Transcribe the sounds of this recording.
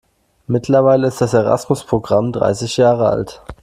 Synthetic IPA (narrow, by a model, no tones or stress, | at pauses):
mɪtlɐvaɪləɪstd̥aseʁa̰smʊspʁ̥oɡʁamdʁa̰ɪsɪçjaːʁəa̰lt